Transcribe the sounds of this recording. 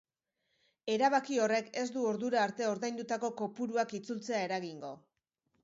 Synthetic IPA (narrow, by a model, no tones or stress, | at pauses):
e̞ɾaβakio̞re̞ke̞sd̪uo̞ɾðuɾaːɾt̪e̞o̞ɾðajnd̪ut̪ako̞ko̞puɾuakit͡sult͡se̞ae̞ɾaɣiŋɡo̞